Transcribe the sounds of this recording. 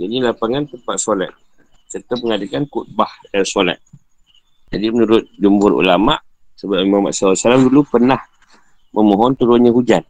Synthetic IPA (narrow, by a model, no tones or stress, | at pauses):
d͡ʒadilapaŋant̪əmpat̪̚sola̰t̪̚ | sərt̪əməŋadakankut̪̚bahdansola̰t̪̚ | d͡ʒadimənuɾʊt̪̚d͡ʒumbʊɾṵlama̰ʔ | səbapimahma̰ʔ̪saasalamdulupərnah | məmoɦɔnt̪uɾʊnɲəɦud͡ʒan